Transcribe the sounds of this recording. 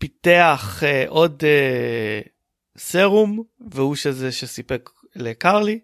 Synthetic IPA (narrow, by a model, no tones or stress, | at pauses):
pit̪eaχeʔo̞de | seʁumveuʃezeʃesipek | lekaʁli